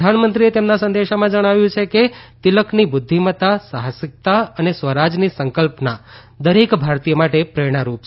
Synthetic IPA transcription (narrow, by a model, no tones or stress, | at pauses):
d̪ʱanmənt̪ɾiet̪emnasə̃nd̪eʃamãd͡ʒəɽ̃aʋjũt͡ʃʰeket̪iləkʰnibʊd̪ʱːimət̪asaɦəsɪk̚t̪aənesʋəɾad͡ʒnisəŋkəlpna | d̪əɾekbʱaɾt̪ijəmaʈepɾeɽ̃aɾup